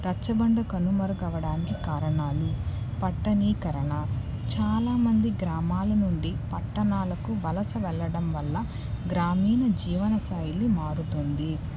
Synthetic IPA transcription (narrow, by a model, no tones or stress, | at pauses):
ɾɐt͡ʃːɐbɐɳɖɐkɐnumɐɾɐɡɐʋɐɽaːnikikaːɾɐɳaːlu | pɐʈːɐniːkɐɾɐɳɐ | t͡ʃaːlaːmɐnd̪iɡɾaːmaːlɐnuɳɖipɐʈːɐɳaːlɐkuʋɐlɐsɐʋɛɭːɐɽɐmʋɐlːɐ | ɡɾaːmiːnɐd͡ʒiːʋɐnɐsaːjilimaːɾut̪ond̪i